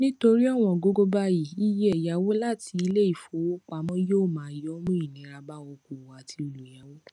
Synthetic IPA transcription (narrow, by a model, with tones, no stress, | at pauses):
nĩ˦to˧ɾi˦ɔ˦˨w̃ɔ̃˧˨ɡo˧ɡo˦ba˦ji˨i˦je˦ɛ˨ja˨˦wo˦la˦ti˧i˧˦le˦i˦˨fo˨˦wo˦k͡pa˧˦mɔ̃˦joː˦˨mãː˨˦i˨jɔ˦mũ˦i˦˨nĩ˨˦ɾa˧ba˦wo˧ku˨wa˨tʰi˧˦o˨˧lu˨ja˨˦wo˦